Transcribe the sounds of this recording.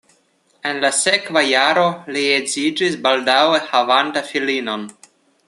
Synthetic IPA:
enlasekvajaɾo̞liezid͡ʒisbaldawehavantafilino̞n

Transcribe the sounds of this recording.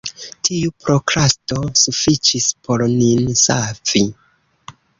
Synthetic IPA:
tʰiupɾokɾasto̞sufit͡ʃispʰo̞ɾninsafi

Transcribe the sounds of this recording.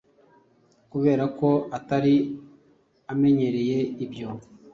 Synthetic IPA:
kuβe̞ːɾako̞ataɾi | ame̞ɲe̞ɾe̞je̞ibjo̞

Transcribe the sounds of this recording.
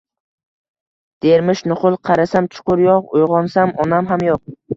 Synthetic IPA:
d̪̥eɾmɪʃnʊχʊlˠqʰɑɾasamt͡ʃʰʊ̥qʊɾjoqʊjʁɒnsamɒnamɦamjoq̚

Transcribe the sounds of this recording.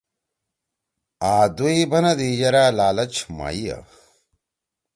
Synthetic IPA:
aːd̪uibɐnɐd̪ijɐɾalaːlɐt͡ɕʰma̰ːija̰

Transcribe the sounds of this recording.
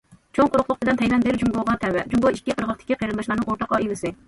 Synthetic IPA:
t͡ʃʰoŋqʰʊɾʊχlˠʊχt̪ɪd̪ɛnt̪ʰɛjlɛnd̪ɪɾd͡ʒumbolˠʁɑnt̪ʰɛwɛd͡ʒumboikʲːiqʰəɾʁɑt̪ʰɪ̥kʲiqʰəjɾɨnd̪ɑʃlˠɑɾnɨŋoɾt̪ʰɑqːɑilɪsɪ

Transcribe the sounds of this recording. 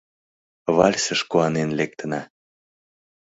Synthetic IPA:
βɑ̰lʲsəʃkuɑnenlek̚t̪ənɑ

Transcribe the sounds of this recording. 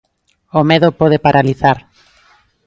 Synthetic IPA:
omeðopɔð̞epaɾʔaliθaɾ

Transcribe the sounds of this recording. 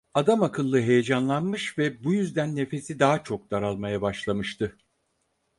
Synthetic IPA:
ad̪amakʰɯlˠːɯɦe̞je̞d͡ʒanlˠanmɯʃvɛbujyzd̪ænːe̞fe̞sid̪aɦat͡ʃʰo̞k̚d̪̥aɾalˠmajabaʃlˠamɯʃt̪ʰɯ

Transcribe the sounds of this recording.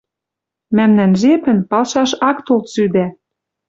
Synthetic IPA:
mæmnænʒepɘ̆npɑlʃɑʃɑkt̪olt̪syd̪æ

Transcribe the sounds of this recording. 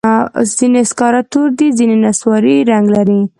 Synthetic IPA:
z̥ineskɑɾɑt̪oɾd̪izinenaswɑɾiɾaŋɡlaɾi

